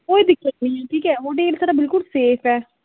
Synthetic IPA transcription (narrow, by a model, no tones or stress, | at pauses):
oːiːd̪ɪkʰanĩːɛʈʰiːkɛːɦoːʈeːlsaːɾaːbɪlkʊlseːpʰɛː